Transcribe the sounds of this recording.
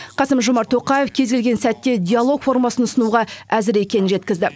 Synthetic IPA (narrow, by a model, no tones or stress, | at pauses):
qɑsəmʒʊmɑɾt̪ʰːo̞qɑje̞fkʲʰe̞zɡʲe̞lɡʲe̞nsæt̪ːe̞dʲijalˠo̞kfo̞rmɑsənʊsənuʁɑæzɪɾe̞kʲe̞nɪnʒe̞t̪kʲɪzd̪ɪ